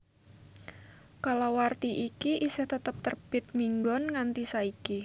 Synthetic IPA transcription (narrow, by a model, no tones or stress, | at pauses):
kalawart̪iʔikiʔisɪht̪ət̪əp̚t̪ərb̥ɪt̪̚miŋɡɔnŋant̪isaiki